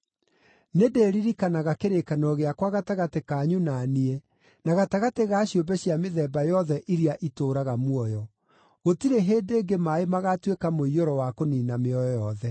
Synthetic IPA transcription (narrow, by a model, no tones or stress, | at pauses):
nedeːɾiɾikanaɣakeɾekanɔɣeakwaɣataɣatekaːɲunaːniɛ | naɣataɣateɣaɕiombɛɕjameðɛːbajɔðɛʔiɾiaʔitoːɾaɣamwɔjɔ | ɣotiɾeɦeːdeːɡemaemaɣatwekamoioɾɔwakoninameɔjɔjɔðɛ